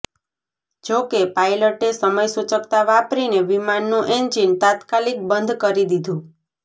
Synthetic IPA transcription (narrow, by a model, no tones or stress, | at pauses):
d͡ʒokepajləʈesəməjsut͡ʃəkt̪aʋapɾineʋimanːũʔeɲd͡ʒint̪at̪kalik̚bənd̪ʱkəɾid̪id̪ʱũ